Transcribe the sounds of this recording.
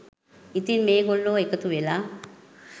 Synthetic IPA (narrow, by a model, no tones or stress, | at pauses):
it̪inmeːɡolːoːekət̪uʋelaː